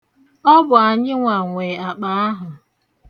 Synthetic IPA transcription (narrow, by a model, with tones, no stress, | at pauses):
ɔ˦bʊ˨a˨ɲɪ˦ŋʷa˨ŋʷe˨a˨k͡pa˨a˦ɦʊ˨